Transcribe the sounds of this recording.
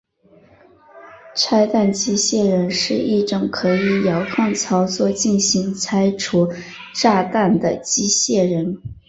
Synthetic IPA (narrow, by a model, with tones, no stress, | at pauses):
ʈ͡ʂʰa˥ɪt̪a˥˩˧nt͡ɕi˥ɕjɛ˥˩ɻə˧˥nʂɻ̩˥˧i˥˩ʈ͡ʂɤ˨˩ŋkʰɤ˧˥i˧˩jɑ˧˥ʊkʰɑ˥˩ŋt͡sʰɑ˧˥ʊt͡swɔ˥˧t͡ɕi˥˩nɕi˧˥ŋt͡sʰa˥ɪʈ͡ʂʰu˧˥ | ʈ͡ʂa˥˧t̪a˥˩nd̪ə˩t͡ɕi˥ɕjɛ˥˩ɻə˧˥n